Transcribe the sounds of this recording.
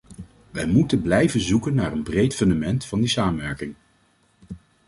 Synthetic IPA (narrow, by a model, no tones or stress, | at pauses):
ʋɛjmutənblɛjvənzukənːaːɹənbrejtfɵndamɛntfɑndisaːmənʋɛɹkɪŋ